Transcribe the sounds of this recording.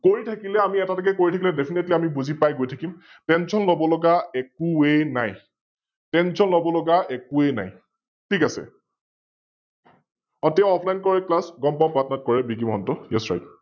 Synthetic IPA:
koɹitʰakilɛamiɛtatakɛkoɹitʰak̬ilɛdɛpʰinetliamibuzipajɡojtʰakim | tɛnsɔnlobɔlɔɡaɛkuenaj | tɛnsɔnlɔbɔlɔɡaɛkuena̰j | tʰikasɛ̰ | ɔtjãɔpʰlajnkɔɹɛklasɡɔmpɔmpɹatɔnat̚kɔɹɛbikimɔɦɔntɔjɛ̰sɹa̰jt

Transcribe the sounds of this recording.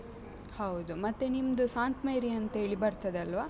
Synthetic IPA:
hɐwd̪umɐt̪ːenimd̪usaːnt̪mɐjɾiɐnt̪ɐeːɭibɐɾt̪ːɐd̪eɐlʋaː

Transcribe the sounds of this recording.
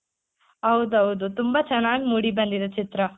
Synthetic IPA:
ɦɐwd̪uɦɐwd̪ut̪umbɐt͡ʃɛnːaːɡimuːɽibɐnd̪id̪ɐt͡ʃit̪ɾɐ

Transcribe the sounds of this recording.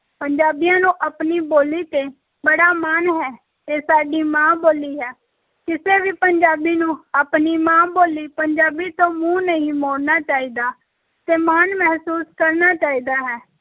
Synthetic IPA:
pəɲd͡ʒaːbijãːnũːʔəpniːboːliːt̪eː | bəɽaːmaːnɦɛː | eːsaːɖiːmãːboːliːɦɛː | kɪseːʋiːpəɲd͡ʒaːbiːnũːapniːmãːboːliːpəɲd͡ʒaːbiːt̪õːmũːnəɦĩːmoːɽnaːt͡ʃaːiːd̪aː | t̪eːmaːnmɛɦsuːskəɾnaːt͡ʃaːiːd̪aːɦɛː

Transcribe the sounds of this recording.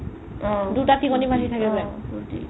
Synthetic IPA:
dutatikonibʱatitʰakɛbɛuti

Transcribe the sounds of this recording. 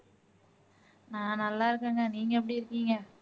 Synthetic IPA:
nãːnɐlːaːɪɾɯkːeːŋɡɐniːŋɡɐɛpːɐɽiɪɾɯkːiːŋɡɐ

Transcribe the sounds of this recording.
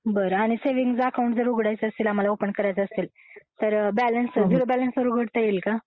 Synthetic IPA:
bəɾəaɽ̃iseʋiŋɡd͡zəkaw̃ɳʈd͡zəɾuɡɽajt͡səəst̪iːlam̤alaopənɳkəɾajt͡səəst̪iːl | t̪əɾbælənsd̪ʱuɾəbælənsʋəɾuɡʱəɽt̪əjelka

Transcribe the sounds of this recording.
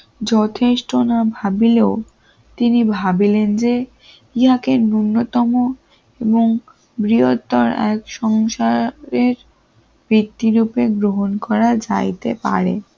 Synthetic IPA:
d͡ʑɔt̪ʰeʃʈonabʱabileo | t̪inibʱabilend͡ʑe | iɦakeɾnunːot̪ɔmo | eboŋ | bɾiot̪ːɔɾɛ̰kʃɔŋʃaɾeɾ | bɾit̪ːiɾupeɡɾoɦonkɔɾad͡ʑa̰jt̪epa̰ɾḛ

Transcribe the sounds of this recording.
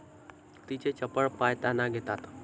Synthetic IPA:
t̪it͡ʃet͡ʃəpəɭpajt̪anaɡet̪at̪ḁ

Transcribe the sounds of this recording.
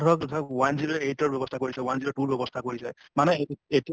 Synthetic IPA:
ɔk̚tʰawanzilɛeʈɔɹbʱjɔbɔst̪ʰakoɹisawanzilɔʈuɹbʱjɔbɔst̪ʰakoɹisaj | manɛeti

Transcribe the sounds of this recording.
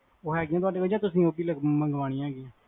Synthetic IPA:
oːɦɛːɡɪjãːt̪ʊaːɖeːkəd͡ʒaːt̪ʊsĩːoːbiːləɡməŋɡʋaːɽ̃ɪ̃ãːɡɪãː

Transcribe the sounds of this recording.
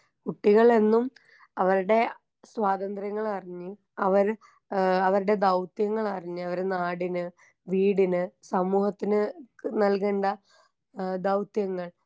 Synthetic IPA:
kuʈːiɣɐɭe̞nːum | ɐʋɐɾuɽe̞ | swaːd̪ɐnd̪rjɐŋːɐɭɐriɲːɨ | ɐʋɐɾ | ɐʋɐɾuɽe̞d̪ɐwt̪jɐŋːɐɭɐriɲːɨɐʋɐɾenaːɽinɨ | ʋiːɽinɨsɐmuːhɐt̪ːinɨnɐlkeːɳɖɐ | d̪ɐwt̪jɐŋːɐɭ

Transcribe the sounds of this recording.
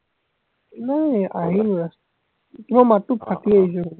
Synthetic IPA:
najaɦilɹas | tumamatupʰatiaɦis̬ɔ

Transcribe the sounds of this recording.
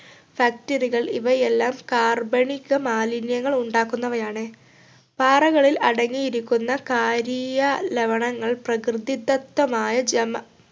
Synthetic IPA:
fjaːk̚tɐriɣɐɭiʋɐjelːaːmkaːrbɐɳikːɐmaːlinjɐŋːɐɭuɳɖaːkːunːɐʋɐjaːɳɨ | paːrɐɣɐɭilɐɽɐŋːijiɾikʲːunːɐkaːɾijɐleʋɐɳɐŋːɐɭprɐkrɨd̪id̪ːɐt̪ːɐmaːjɐd͡ʑɐmːɐ

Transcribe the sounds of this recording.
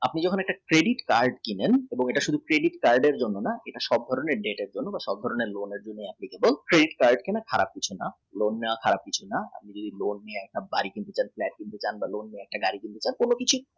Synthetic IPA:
apnid͡ʑɔkʰonɛk̚ʈakɾeɖiʈkaɾɖkineneboŋeʈaʃud̪ʱukɾeɖiʈkaɾɖeɾd͡ʑonːonaeʈaʃɔb̚d̪ʱɔɾoneɾɖeʈeɾd͡ʑonːobaʃɔb̚d̪ʱɔɾoneɾloneɾd͡ʑonːeapnikebolkɾeɖiʈkaɾɖkɛnakʰaɾa̰b̚kit͡ɕʰuna | lonːakʰaɾab̚kit͡ɕʰunaa̰p̚nid͡ʑod̪ʱilonːieɛk̚ʈabaɾikint̪et͡ɕanflɛʈ̚kint̪ut͡ɕanbalonːieɛk̚ʈaɡaɾikint̪et͡ɕankolokit͡ɕʰu

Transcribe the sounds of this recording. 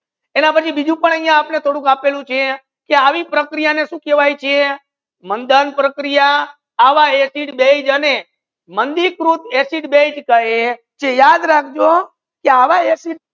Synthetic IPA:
enapət͡ʃʰibid͡ʒũpəɳ̃əɦjãːpnet̪ʰoɽũkapelũt͡ʃʰe | keaʋipɾəkɾijaneʃũkeʋajt͡ʃʰe | mənd̪ənpɾəkɾijaː | ʋaesiʈbed͡ʒəne | mənd̪ikɾut̪esiʈbed͡ʒkəɦe | t͡ʃejad̪ɾak̚ʰd͡ʒo | keaʋaesiʈ̚

